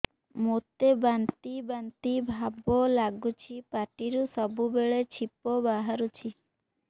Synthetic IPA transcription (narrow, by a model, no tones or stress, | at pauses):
mot̪ebant̪ibant̪ibʱabɔlaɡut͡ʃʰipaʈiɾusɔbubeɭet͡ʃʰipɔbaɦaɾut͡ʃʰi